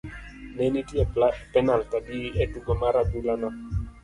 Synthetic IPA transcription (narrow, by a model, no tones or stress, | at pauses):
nenitiɛpɛnalkadiɛduɡɔmaɾadulana